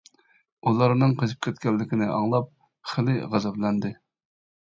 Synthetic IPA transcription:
ulˠɑɾnɨŋqʰəzɨp̚kʲʰɛt̪̚kʲɛlːɪkʲinɪʔɑŋlˠɑp̚ | χəlɪʁæzɛblɛnd̪ɪ

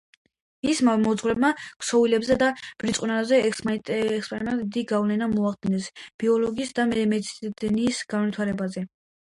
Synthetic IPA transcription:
mismamɔd̪zʁwɾɛbmakʰʼsɔvilɛbzɛd̪ab̥ɾit̪sʼqʼwunazɛ | ɛkspʼɾɛmɛt̪d̪iɡavlɛnamɔaχd̪inɛsb̥iɔlɔɡiːsd̪amɛmɛt̪sd̪̥nisɡ̥anvit̪ʰwaɾɛbazɛ

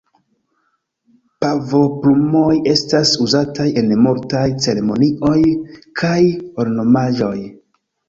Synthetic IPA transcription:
pavo̞pɾumo̞je̞stasuzataje̞nmuɾtajt͡se̞ɾe̞mo̞nio̞jkʰajo̞lno̞maʒo̞̰j

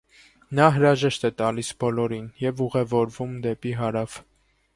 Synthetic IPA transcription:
nɑɦəɾɑʒɛʃt̪ɛt̪ɑlisbɔlɔɾinjɛvuʁɛvɔɾvumd̪ɛpiɦɑɾɑv

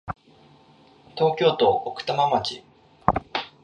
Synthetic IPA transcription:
t̪o̞ːkʲo̞ːt̪o̞ʔːkɯ̟̥t̪amamat͡ɕi

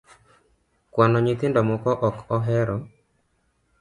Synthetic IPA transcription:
kwanɔɲɪt̪ɪndɔmɔkɔʔɔkɔɦɛɾɔ

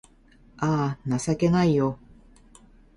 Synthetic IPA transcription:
aːnasake̞naijo

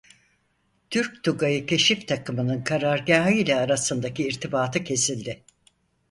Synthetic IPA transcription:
t̪ʰyɾc̚t̪ʰuɡajɯcʰe̞ʃift̪ʰakʰɯmɯnɯnkʰaɾaɾɟaːɦɯilʲɛːɾasɯnd̪aciːɾt̪ʰibaːt̪ʰɯcʰe̞silʲd̪ɪ

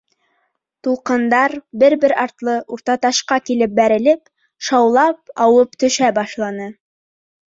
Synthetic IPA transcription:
t̪ulˠqɤ̆nd̪ɑɾbɘɾbɘɾɑɾt̪lˠɤʔuɾt̪ɑt̪ɑʃqɑkilɘp̚bæɾɘ̆lɘp | ʃɑwlˠɑp̚ɑwɤpt̪ɵ̆ʃæbɑʃlˠɑnɤ

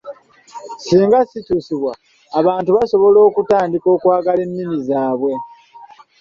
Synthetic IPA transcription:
siːŋɡasitusiβwaː | βaːntuβaso̞βo̞lo̞ːkutaːndiko̞ːkwaːɡale̞nːinizaːβwe̞

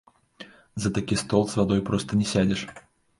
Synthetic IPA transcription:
zɐt̪akʲist̪ɔlˠsvad̪ɔjpɾɔst̪ɐnʲɛsʲad͡zʲɛʂ

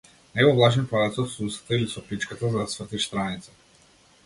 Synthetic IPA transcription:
naɡɔvlˠaʒɛnpad̪at̪sɔt̪susḁt̪ailisɔpɾit͡ʃkat̪azad̪asvr̩t̪ist̪ɾanit̪sḁ

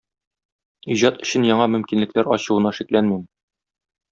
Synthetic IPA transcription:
iʑɑt̪ɵ̆ɕɘ̆njɒɴɑmɵ̆mkinlɘ̆klæɾɒɕɤ̆wɤ̆nɑʃiklænmim

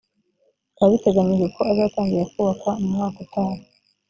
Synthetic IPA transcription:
aβite̞ɡaɲiʒɡeko̞azaːtaːŋɡiɾakuːβakamumŋaːkutaːnu

